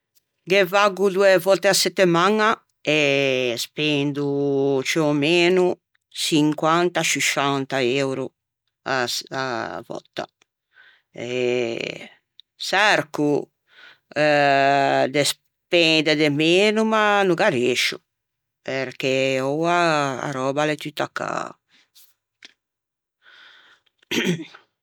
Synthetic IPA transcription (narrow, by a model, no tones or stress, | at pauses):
ɡevaɡud̪uevɔt̪easet̪ːemaŋa | espend̪ut͡ʃeomeːnu | siŋkwant̪at͡ʃiʃant̪aewɾu | aa̰vɔ̰t̪ːa̰ | e | sɛɾku | d̪es | pend̪ed̪emeːnumanuɡaɾeʃṵ | peɾkeowaa̰ɾɔbalɛt̪yt̪ːakːa̰